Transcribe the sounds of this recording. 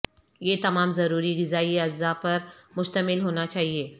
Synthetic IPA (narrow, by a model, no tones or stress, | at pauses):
jeːt̪ɐmaːmzɐɾuːɾiɡɪzaːiɐzapɐɾmʊʃt̪əmɪlɦoːnat͡ʃaːɦieː